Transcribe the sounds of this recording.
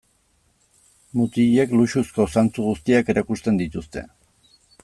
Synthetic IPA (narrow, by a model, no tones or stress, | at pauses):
mut̪iʎe̞kluʃusko̞sant͡suɣust̪iake̞ɾakust̪e̞nd̪it̪ust̪e̞̰